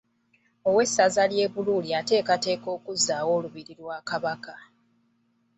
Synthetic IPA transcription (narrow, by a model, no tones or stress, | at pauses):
o̞we̞sːazalje̞ːβululiate̞ːkate̞ːko̞ːkuzːaːwo̞ːluβiɾiɾwaːkaβaka